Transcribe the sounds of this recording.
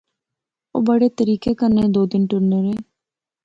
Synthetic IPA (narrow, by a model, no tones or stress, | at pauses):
o̰ːbəɽeːt̪əɾiːkeːkəɾned̪oːd̪ɪnʈʊɾnəɾeː